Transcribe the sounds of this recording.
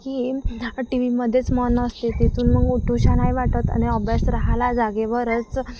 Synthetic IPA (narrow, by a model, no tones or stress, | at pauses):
kiːʈiʋiməd̪ʱjet͡smɔnːəst̪et̪et͡suːnməɡuʈʰuɕanajʋaʈət̪a̰ñiɔbjasɾaɦalad͡zaɡeʋəɾət͡s